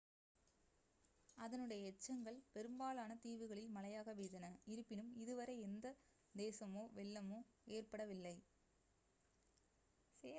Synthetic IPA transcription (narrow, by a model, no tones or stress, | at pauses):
ɐðɐnɯɽɐjɐɛt͡ʃːɐŋɡɐɭpɛɾɯmbaːlaːnɐt̪iːʋɯɣɐɭɪlmɐlɐjaːɣɐʋeːðɐnɐɪɾɯpːɪnɯmɪðɯʋɐɾɐɪɛnd̪ɐ | d̪eːsɐmoːʋɛlːɐmoː | eːrpɐɽɐʋɪlːɐɪ | seː